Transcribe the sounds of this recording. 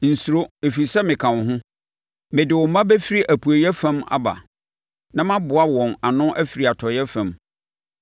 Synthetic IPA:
n̩˨su˨ɾo˦e˨fi˨sɛ˦mɪ̃˨kʰã˨nʊ˨ɦʊ̃˦ | mɪ̃˨dɪ˨wʊ˨mã˦bɛ˦fi˦ɾi˦ʔæ˨pʰu˨æ˨jɛ˦fã˦ma̰˦ba̰˨ | nã˦mã˦bʊ˨a˦wɔ̃˨na˨nʊ̃˦ʔæ˦fi˨ɾi˨a˨tʰɔ˨jɛ˦fã˨m

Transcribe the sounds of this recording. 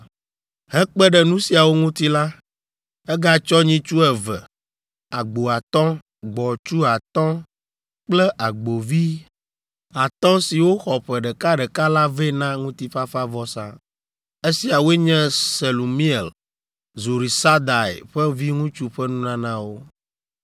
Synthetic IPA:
ɦɛ̃˦k͡pɛ˦ɖɛ˨nũ˦si˨a˨wo˦ŋũ˦t̪i˦la˦ | ɛ˦ɡa˦˨t͡ʃɔ˦ɲĩ˦t͡ʃu˦ɛ˨vɛ˨ | a˨ɡ͡bo˨a˨t̪ɔ̃˦ | ɡ͡bɔ˨t͡ʃu˦a˨t̪ɔ̃˦ | k͡plɛ˦ʔa˨ɡ͡bo˨vi˦ | a˨t̪ɔ̃˦si˨wo˦xɔ˨ɸɛ˨ɖɛ˨ka˦ɖɛ˨ka˦la˦ve˦nã˦ŋũ˦t̪i˦ɸa˦fa˦vɔ˦sã̰˦ | e˦si˨a˨wo˦e˦ɲɛ̃˦se˨lo˨mi˦ɛ˨l | zu˨ɾi˨sa˦d̪a˨ḛ˨ɸɛ˦vi˦ŋũ˦t͡ʃu˦ɸɛ˦nũ˦nã˦nã˦wo˦

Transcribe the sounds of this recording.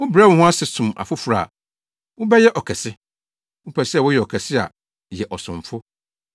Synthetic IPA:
wʊ̃˦bɾa˦wʊ̃˨˦hʊ̃˦a˦sɪ˨sʊ̃˨ma̰˨fʊ˦fu˨ɾa˨ | wʊ̃˦bɛ˦jɛ˦ʔɔ˨kʰɛ˨sɪ˦ | ʊ̃˦pʰɛ˨sɪ˦ɛ˨wʊ˦jɛ˨ɔ˨kʰɛ˨sɪ˦a̰˨ | jɛ˨ʔɔ˨sʊ̃˨ɱ˨fʊ˦

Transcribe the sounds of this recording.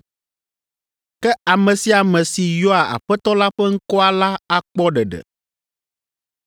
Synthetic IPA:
kɛ˦a˨mɛ̃˨si˨a˨mɛ̃˨si˨jɔ˦a˨a̰˨ɸɛ˦t̪ɔ˦la˦ɸɛ˦ŋ̩˦kɔ˦a˨la˦a˦k͡pɔ˦ɖɛ˨ɖɛ̰˨

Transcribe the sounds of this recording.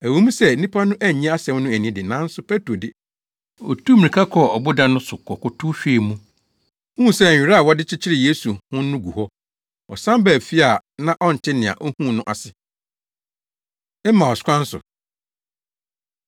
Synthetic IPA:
æ˨wo˨˦mũ˦sɛ˦˨nĩ˦pʰa˦nʊ̃˦ʔæ˦˨ɲ̃˦a˦sɛ̃˦mnʊ̃˦æ˨nĩ˦dɪ˨nã˨˦n̩˦sʊ˨˦pʰe˦to˨dɪ˦ | ɔ̰˨tʰu˦mĩ˨ɾĩ˨kʰa˦kʰɔ˦ɔ˨bʊ˦dã˦nːʊ̃˦sʊ˨kʰɔ˨kʊ˦tʰʊ˦ɕᶣi˦˨mũ˦ | hũ˦˨sɛ˦˨ɾa˦a˨wɔ˦dɪ˦t͡ɕʰɪ˦t͡ɕʰɪ˦ɾɪ˨je˦su˨hʊ̃˦nʊ̃˦ɡu˨hɔ˦ | ɔ̰˨sã˦m˦bɛ˨fi˦a˨nã˦ʔɔ˦n̩˨tʰɪ˦nɪ̃˨a̰˨ʔɔ˦hũ˦˨nʊ̃˦ʔa˨sɪ˨ | ɛ˦mːã˨ɔ˨skʷʰã˦n̩˦sʊ̰˨

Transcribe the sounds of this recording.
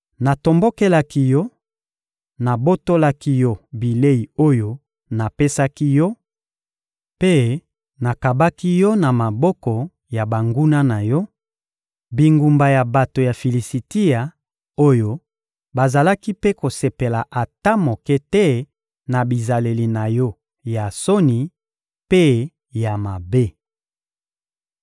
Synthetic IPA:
na˨to˨mbo˦ke˦la˦ki˦jɔ˦ | na˨bo˦to˦la˦ki˦jɔ˦bi˨le˦i˨o˦jo˦ | na˨pe˦sa˦ki˦jɔ˦ | pe˦ | na˨ka˨ba˦ki˦jɔ˦na˨ma˨bɔ˦kɔ˨ | ja˨ba˨ŋɡu˦na˦na˨jɔ˦ | bi˨ŋɡu˨mba˨ja˨ba˨to˨ja˨fi˨li˨si˨ti˦ja˨ | o˦jo˦ | ba˨za˨la˦ki˦pe˦ko˨se˨pe˨la˨ʔa˨ta˦mo˨kɛ˦tɛ˦ | na˨bi˨za˨le˨li˨na˨jɔ˦ | ja˨so˦ni˨ | pe˦ | ja˨ma˨be˦

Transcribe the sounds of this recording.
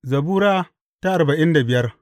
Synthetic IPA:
zɐ˨buː˦ɾaː˦ | ta˦ʔa˨rba˨ʔɪ˦nda˨bɪ˨jɐ˦r

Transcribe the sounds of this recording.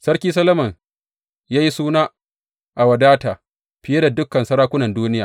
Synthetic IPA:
sɐ˦rkʲiː˦s̬ɐ˦lɐ˦mɐ˨ŋ | jaː˦ji˦suː˦naː˦ | ʔa˨wɐ˨daː˦taː˨ | ɸɪ˨je˦da˨dʊ˦kːɐ˨nsɐ˦ɽaː˦kʷʊ˦nɐ˨nduː˦nɪ˦ja̰ː˨

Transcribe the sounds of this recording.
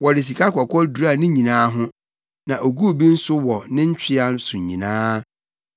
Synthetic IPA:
wɔ˨ɾɪ˨s̬i˨kʰa˦kʰɔ˨kʰɔ˦du˨ɾa˦˨nɪ̃˦ɲĩ˨nãː˦ɦʊ̃˦ | nã˨ʔo˨ɡu˦˨bi˦n̩˦sʊ˦wɔ˨nɪ̃˦ɲ̩˦t͡ɕᶣɪ˦a˦n˦sʊ̃˨ɲḭ̃˨nãː˦

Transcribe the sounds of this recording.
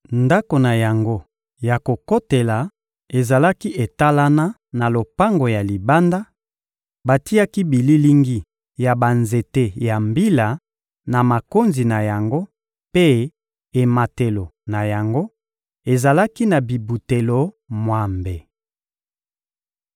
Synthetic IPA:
nda˦ko˨na˨ja˨ŋɡo˦ | ja˨ko˨ko˦te˨la˨ | e˨za˨la˦ki˦ʔe˨ta˦la˦na˦ | na˨lo˨pa˦ŋɡo˨ja˨li˨ba˦nda˦ | ba˨ti˦ja˦ki˦bi˨li˦li˦ŋɡi˦ | ja˨ba˨nze˨te˦ja˨mbi˦la˨ | na˨ma˨ko˦nzi˨na˨ja˨ŋɡo˦ | pe˦ | e˨ma˨te˨lo˨na˨ja˨ŋɡo˦ | e˨za˨la˦ki˦na˨bi˨bu˨te˨lo˦ | mwa˨mbe˨

